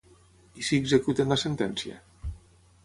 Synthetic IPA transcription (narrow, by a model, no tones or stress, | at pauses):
isiːɡzekut̪enlasent̪ɛnsiḛ